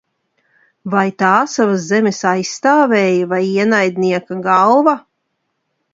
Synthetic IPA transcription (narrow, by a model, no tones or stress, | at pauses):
vajt̪aːsavaszɛmʲɛsajst̪aːvɛːjɐvajiɛnajd̪̚niɛkaɡalˠva